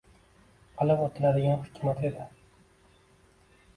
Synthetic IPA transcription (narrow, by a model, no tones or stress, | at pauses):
alˠɪqot̪ʰɪlad̪ɪɡʲanhʊ̥kʲʰmat̪ed̪ɪ